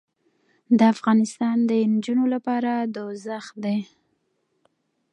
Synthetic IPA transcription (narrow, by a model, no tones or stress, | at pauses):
d̪əafɣɑnɪst̪ɑnd̪ənd͡ʒunolapɑɾad̪əzaxd̪e